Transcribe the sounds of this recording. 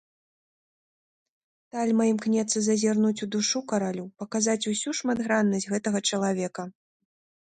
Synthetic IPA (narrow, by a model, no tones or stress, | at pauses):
t̪alʲmajimknʲɛt̪sɨzɐzʲarnut͡sʲud̪uʂukɐɾalʲupɐkazat͡sʲusʲuʂmad̪ɣɾanːɐsʲɣɛt̪ɐɣɐt͡ʂɐlˠavʲɛkɐ